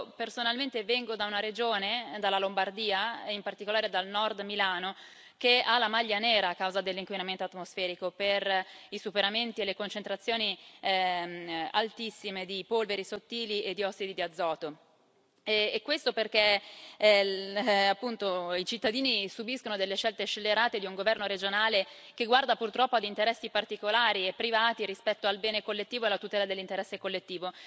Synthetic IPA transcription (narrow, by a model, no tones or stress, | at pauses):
personalment̪evɛŋɡod̪aunaɾed͡ʒoːned̪alːalombard̪iːaimpart̪ikolaːɾed̪alnɔrd̪milaːno | kealamaʎːanɛːɾaːkːawzad̪elːiŋkwinament̪oat̪mosfɛːɾikoperisupeɾament̪ielekont͡ʃent̪ɾat̪sːjoːni | a̰lt̪isːimed̪ipolveɾisot̪ːiːliʔed̪iɔsːid̪id̪iad̪zːɔːt̪o | ɛkːwest̪operk̟e | apːunt̪oit͡ʃit̪ːad̪iːnisubiskonod̪elːeʃːɛlt̪et͡ʃːelːeɾaːt̪ed̪iuŋɡovɛrnoɾed͡ʒonaːle | keɡward̪apurt̪ɾɔpːoad̪int̪eɾɛsːipart̪ikolaːɾiepːɾivaːt̪iɾispɛt̪ːoalbɛːnekolːet̪ːiːvoelat̪ut̪ɛːlad̪elːint̪eɾɛsːekolːet̪ːiːvo